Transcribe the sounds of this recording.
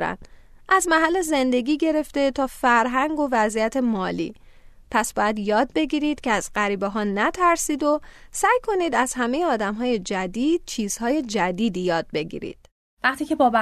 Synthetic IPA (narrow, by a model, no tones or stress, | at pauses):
ɾæ̰n̥ | ʔæzmæɦælːeze̞nd̪e̞ɟʲiːɟe̞ɾe̞ft̪e̞t̪ʰɒːfæɾɦæŋɡo̞væzijæt̪ʰe̞mɒːlḭː | pʰæsbɒːjæd̪jɒːd̪̚be̞ɟiːɾiːd̪̥cʰeæzɢæɾiːbeɦɒːnæt̪ʰæɾsiːd̪osæːjkʰo̞niːd̪æzhæme̞jeɒːd̪æmɦɒːje̞d͡ʒæd̪iːd̪̥̚t͡ʃʰiːz̥hɒːje̞d͡ʒæd̪iːd̪ijɒːd̪̚be̞ɟḭːɾḭd̪̥̚ | væχt̪iːcʰebɒːb